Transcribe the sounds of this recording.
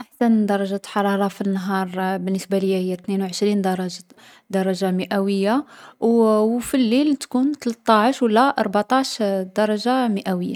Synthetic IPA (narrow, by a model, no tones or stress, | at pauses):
ʔaħsænd̪ɑɾˤɑʒaħɑɾˤɑɾˤɑfinːɦɑɾˤbənːəsbaləjːæhəjːæt̪nenwʕəʃɾind̪ɑɾˤɑʒ | d̪ɑɾˤɑʒaməʔæwəjːawfilːilt̪kunt̪lət̪ˤːɑʕəʃwəlːæʔɑɾˤbat̪ˤɑʕʃd̪̥ɑɾˤɑʒaməʔæwəjːa̰